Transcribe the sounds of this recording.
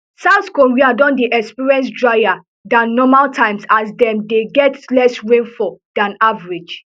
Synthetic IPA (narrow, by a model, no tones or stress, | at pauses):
saʊθkɔɹiadɔ̃ndiʔɛkspiɹɛ̃ns̬dɹaɪa | dãnːɔmaltʰãɪ̃msasdɛ̃mdeɡɛtlɛsɹẽnfɔd̥ãnavaɹid͡ʒ